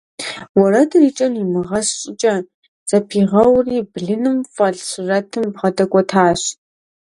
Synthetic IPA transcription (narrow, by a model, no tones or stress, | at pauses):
wɔɾɐdɨriːt͡ʃʼɐnimɨʁɐsɕʼɪt͡ʃʼɐ | z̥ʼɐpʰiːʁɐwriːbɮɨnɨmfʼɐɮɕɪrɐtʰɨmbʁɐdɐkʷʼɔtʰaːɕ